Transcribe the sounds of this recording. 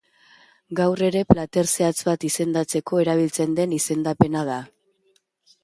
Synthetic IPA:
ɡawre̞ɾe̞plat̪e̞ɾse̞at͡sβat̪ise̞nd̪at͡se̞ko̞e̞ɾaβ̞ilt͡se̞nd̪e̞nise̞nd̪ape̞naða

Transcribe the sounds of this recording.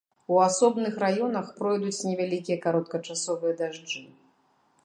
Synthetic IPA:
uasɔbnɨxɾajɔnɐxpɾɔjd̪ut͡sʲnʲɛvʲalʲikʲijɐkaɾɔt̪̚kɐt͡ʂasɔvɨjɐd̪aʐd͡ʐɨ

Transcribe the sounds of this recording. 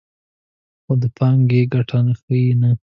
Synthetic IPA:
xod̪əpʰɑŋɡeɡaʈʰanexəina

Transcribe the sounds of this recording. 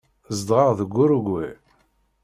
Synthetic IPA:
zd̪ʁɑʁðəɡʷːʊɾuɡwe

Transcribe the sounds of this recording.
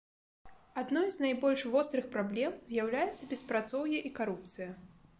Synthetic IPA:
ad̪nɔjznajbɔlʲʂvɔst̪ɾɨxpɾablʲɛmzʲjawlʲajɛt̪sːɐbʲɛspɾat̪sɔwjɛʔikaɾup̚t̪sɨjɐ

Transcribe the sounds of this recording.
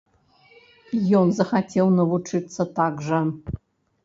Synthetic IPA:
jonzɐxatʲʰelˠnɐvut͡ʂʰɨt̪sɐt̪aɡʐə

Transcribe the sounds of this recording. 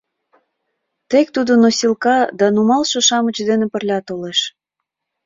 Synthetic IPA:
t̪ek̚t̪ud̪onosilkɑd̪ɑnumɑlʃoʃɑmət͡ɕd̪enepə̆rlʲɑt̪oleʃ

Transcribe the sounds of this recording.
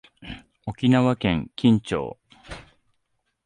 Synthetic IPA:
o̞kʲinaβakẽ̞ŋkʲĩɲt͡ɕo̰ː

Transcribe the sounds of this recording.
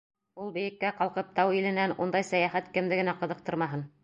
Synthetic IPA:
ulˠbɘ̆jɘ̆kːæqɑlˠqɤp̚t̪ɑwilɘ̆nænund̪ɑjsæjæχæt̪kɘ̆md̪ɘɡɘ̆næqɤ̆ðɤ̆q̚t̪ɤ̆ɾmɑɦɤn

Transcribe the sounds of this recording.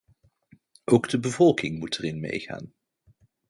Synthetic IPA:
ʔowɡdəbəvɔlˠkɪŋmutɛrɪnmḛjχa̰ːn

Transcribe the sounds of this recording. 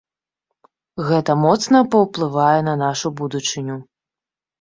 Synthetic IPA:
ɣɛt̪ɐmɔt̪snɐpɐwplˠɨvajɛnɐnaʂubud̪ut͡ʂɨnʲu

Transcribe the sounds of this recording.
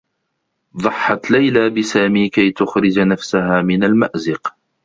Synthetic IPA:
ðˤɑħːɑt̪lajlaːbɪsaːmiːkajt̪ʊxɾɪd͡ʒnafsahaːmɪnalmaʔzɪq

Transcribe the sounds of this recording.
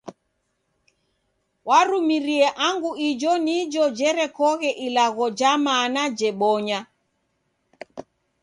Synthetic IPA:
waɾumiɾiɛʔaŋɡuid͡ʒɔnid͡ʒɔd͡ʒɛɾɛkɔɣɛʔilaɣɔd͡ʒamanad͡ʒɛɓɔɲa

